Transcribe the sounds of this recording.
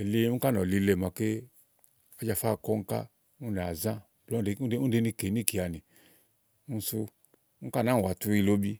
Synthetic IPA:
e˨li˧˦u˦ka˦˨nɔ˨li˧le˨ma˨ke˦ | ɔ˦d͡ʒa˧˨fa˦˨kɔ˦ŋ̩˦ka̰˦ | u˦ne˨a˨zã˦˨blɔ˦e˧˦u˦de˧ni˧ke˨ni˦˨ki˨a˨ni˨ | ũ˦˧˦su˧ | u˦ka˦˨na˨˦˨wa˨tu˧i˧lo˦bi˧

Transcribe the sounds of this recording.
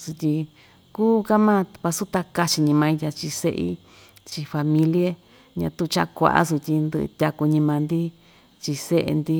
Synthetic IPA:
su˧t̪ʲi˧ | kuː˦ka˦mã˦˧βa˧su˦t̪a˧ka˧t͡ʃi˧ɲĩ˧mã˧ĩ˧t̪ʲa˧t͡ʃi˧sḛ˦ʔḭ˦ | t͡ʃi˧fa˧mĩ˧lje˦ | ɲã̰˧t̪u˦˧t͡ʃa˦˧ʔkʷa̰˧˨ʔa̰˦su˧t̪ʲi˧nd̪ɨ̰˧t̪ʲa˧ku˧ɲĩ˧mã˧nd̪i˦ | t͡ʃi˧se˦ʔḛ˧nd̪i˦

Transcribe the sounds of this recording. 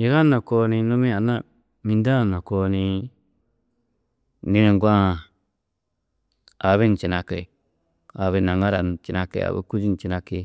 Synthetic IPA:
ji˨ɣa˦nõ˨ko˧nĩ˧nũ˦mĩ˦a˨nã˦ | mĩ˧nda˦˨nã˨ko˧nĩ˧ | nĩ˦nẽ˧˨ŋɡʷã˦˨ | a˨βe˦n˨t͡ʃi˨na˧ke˨ | a˨βe˦˧nã˨ŋa˦ɾa˨n˨t͡ʃi˨na˧kḛ˨a̰˨βḛ˦ku˦d͡ʒi˦n˨t͡ʃi˧nã˧ke˧

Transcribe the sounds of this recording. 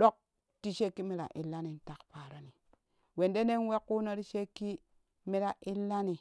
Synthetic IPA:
ɗo˦k̚ | ti˦ʃe˦kːi˦mi˦ɾa̰˨ʔḭ˨lːa˦ni˨n̩˦ta˨kpa˨ɾa˦ni˨ | we˨nde˦ne˦nwe˦kːu˦no˦ɾi˦ʃe˦kːi˦ | mi˦ɾa˨ʔi˦lːa˦ni˨

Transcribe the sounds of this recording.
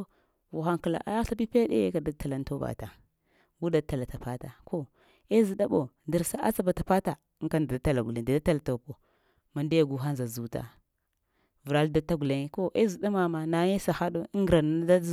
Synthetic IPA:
vu˨xa˦ŋki˨la̰˨ʔa˦ja˦ɬa˦pi˦pe˦dḛ˦ka˨da˨˦ta˨la˨n˦to˦ba̰˨ta˨ | ɡu˦da˦ta˨la˨ta˨pa˦ta˨kʰo˦ | e˦zi˨da˦ɓo˨ | di˨ɾsa˦ʔa̰˦t͡sa˦ba˨ta˨pa˦ta˨˦ŋ˦ka˦nda˨dta˨la˨ɡu˨e˨da˨da˦ta˦la˨to˨po˨ | ma˨nda˦ja˨ɡu˦ɦa˦nza˨zu˨ta̰˨ | və˨ɾa˦lda˦ta˦ɡu˨le˨ŋ˦ko˦ʔe˦zi˨da˦ma˨ma˨na˨˦ɲe˦sa˨xa˦do˦ŋɡɾa˨n˨a˦da˦

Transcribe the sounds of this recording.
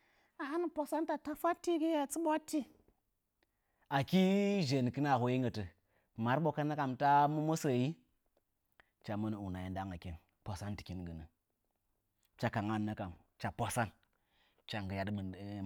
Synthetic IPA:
a˨ha˦n˦po˨sa˦nta˨ta˦fa˦tːi˦ɡi˦ja˨t͡sə˦ɓa˦tːi˦ | a˨ki˦ʒe˨n˨kɨ˦na˨ho˨ji˦ŋɡə˨tə˨ | ma˨˦ɾɓo˨kə˦nːa˦ka˨mta˦mə˦mo˦sə˨ji˦ | t͡ʃa˨mə˦n˨u˨na˨ji˨nda˦ŋa˨ki˦n | po˨sa˦nti̥˨ki˦nɡə˨nə˨ | t͡ʃa˨ka˨ŋa˦˨nːə˦ka˨mt͡ʃa˨po˨sa˦n | t͡ʃa˨ŋɡə˨ja˨dm˨

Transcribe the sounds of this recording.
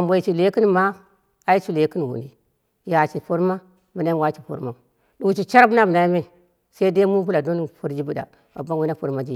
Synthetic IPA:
a˨mbo˨i˨t͡ʃi˨le˨˦ki˦n˨ma˦ | a˨˦i˦t͡ʃi˦le˨˦ki˦n˨wṵ˨ni˨ | ja˨t͡ʃi˨po˦ɾma˦ | bi˨na˦wa˦t͡ʃi˨po̰˨ɾma˨ | ɗu˨u˨t͡ʃi˨t͡ʃa˦ɾbu˦na˦bu˨na˨˦me˦˨ | sa˦i˦de˦mu˦p̬u˦la˨do˦npo˦ɾd͡ʒi˦bu˦da̰˨ | ba̰˨ba˦n˦wi˦na˦po˨ɾma˦d͡ʒi˦˨

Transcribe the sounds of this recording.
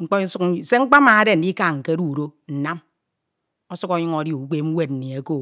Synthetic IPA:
ŋ͡m̩˦k͡po˦su˦kse˦ŋ͡m̩˦k͡pa˦ma˨a˦de˦˨n̩˨di˦ka˦˨ŋ̩˨ke˦ɾu˦˨ɾo˦n̩˨na˦m | o˦su˦ko˦ɲu˦ŋo˨di˦u˨˦k͡pe˦m̩˦we˦t̚n̩˨ni˨e˨ko˦˨

